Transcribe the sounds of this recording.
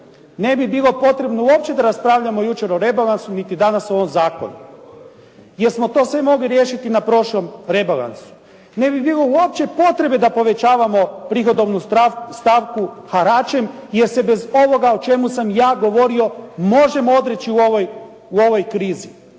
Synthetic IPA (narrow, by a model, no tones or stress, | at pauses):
ne̞bibilˠo̞po̞t̪ɾe̞bnouo̞p̚t͡ʃe̞d̪aɾaspɾaːʋʎamo̞jut͡ʃe̞ɾo̞ɾe̞balansunit̪id̪anasoʋomzaːko̞̰nṵ | je̞ɾsmo̞t̪o̞ːsʋe̞mo̞ɡliɾjeʃit̪inapɾo̞ʃlˠo̞mɾe̞bala̰nsu̥ | ne̞bibilˠouop̚t͡ʃe̞po̞t̪ɾe̞bed̪apo̞ʋe̞t͡ʃaːʋamo̞pɾixo̞d̪o̞ʋnust̪aːʋku | xaɾat͡ʃe̞mjeɾse̞be̞zo̞ʋo̞ɡaot͡ʃe̞musamjaːɡo̞ʋo̞ɾio̞mo̞ʒe̞moo̞d̪ɾe̞t͡ʃiuoʋoj | uo̞ʋo̞jkɾiːzi